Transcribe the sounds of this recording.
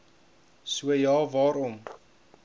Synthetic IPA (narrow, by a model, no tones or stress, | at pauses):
suəjɑːvɑːɾɔm